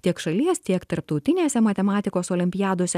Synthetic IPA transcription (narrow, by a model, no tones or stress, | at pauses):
t̪ʲiɛkʃɐlʲiɛst̪ʲiɛkt̪ɐɾpt̪ɒʊt̪ʲɪnʲeːsʲɛmɐt̪ʲɛmɑːt̪ʲɪkoːsoːlʲɪmʲpʲɪjæːd̪oːsʲɛ